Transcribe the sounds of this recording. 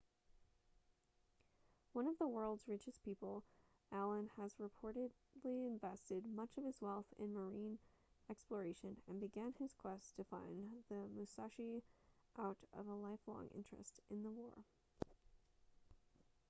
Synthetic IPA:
wʌ̃nʌvðəwɜ˞lˠdzɹɪt͡ʃɨspʰipl̩ˠ | ʔælˠə̃nɨzɹɨpʰɔɹɾɨd | liɨ̃ɱvɛstɨd̚mʌt͡ʃʌv̥ɨzwɛlˠθɪ̰̃nmə˞ĩn | ɛksplə˞eɪʃɨ̃nɨ̰̃nbɨɡæ̃nɪz̥kʰw̥ɛstʰɨfã̰ɪ̃nðɨmɨsɑʃiʔaʊɾʌ̰vəlaɪflɔ̰̃ŋʔɪ̰̃nt͡ʃɹ̥ɨ̰stɨ̃nðəwɔɹ

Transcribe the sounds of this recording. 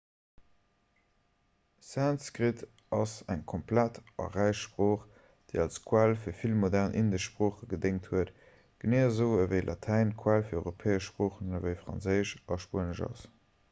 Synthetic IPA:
sænskʁitʰ | ɑsæŋkʰompʰlætʰɑ̰ʁæɪʃʃpʁoːχ | d̥eɪɑlskʰwælfiːɐfilmodæʁnʔindəʃʃpʁoːχəɡədeŋthuət | ɡ̥əneːzəʊəvəɪlʔɑtʰæɪnkʰwælfiːɐɔʏʁopʰeːəʃpʁoːχənəvəɪfʁɑ̰nzəɪʃɑʃpuənəʒɑ̰s

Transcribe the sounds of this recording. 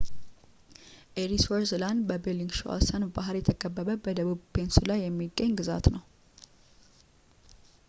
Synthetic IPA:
ʔeɾiswoɾzlanbəbeliŋɡʃo̰ʔa̰sənbaɦɾjɛt̪ʰəkʼəbːəβəbəd̪əβuβpʰe̞nsulajːɛmːiɡːəɲːɡɨza̰t̪nəw

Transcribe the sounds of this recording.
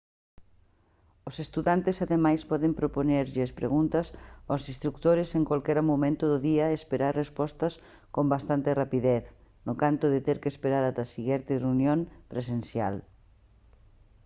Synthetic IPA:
osest̪uðant̪ɪsaðemajspɔðempɾoponeɾʎɪɐspɾḛɣunt̪ɐsosĩst̪ɾuk̚t̪oɾɪseŋkwalkɛɾamomẽnt̪ʊðʊðiɐespeɾaɾrespɔst̪ɐs | kombast̪ant̪ɪrapiðɛθnʊkant̪ʊðɪt̪eɾkespeɾaɾat̪ɐsiɣɛɾt̪ɪreunjõŋpɾesenθja̰l

